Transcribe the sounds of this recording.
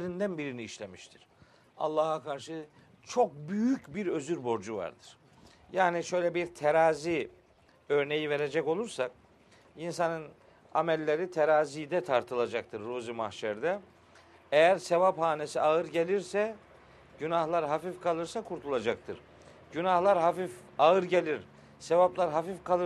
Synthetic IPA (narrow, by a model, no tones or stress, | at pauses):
ɾind̪ænbiɾiniːʃlʲe̞miʃt̪ʰiɾ̥ | a̰lˠːaːɦakʰaɾʃɯ | t͡ʃʰo̞k̚byjycbiɾø̞zyɾbo̞ɾd͡ʒuva̰ɾd̪ɯɾ̥ | jaːniʃø̞jlʲɛbiɾt̪ʰeɾaːzi | ø̞ɾne̞jive̞ɾe̞d͡ʒɛco̞lˠuɾsak̚ | insanɯn | a̰mɛlʲːe̞ɾit̪ʰeɾaːzid̪ɛt̪ʰaɾt̪ʰɯlˠad͡ʒak̚t̪ʰɯɾːuzima̰hʃɛɾd̪ɛ | ejæɾsevaphaːnesiaɯɾɟe̞lʲiɾsɛ | ɟ̥ynahlˠaɾɦafifkʰalˠɯɾsakʰuɾt̪ʰulˠad͡ʒak̚t̪ʰɯɾ̥ | ɟynahlˠaɾɦafif | aɯɾɟelʲiɾ | sevaplˠaɾɦafifkʰalˠɯ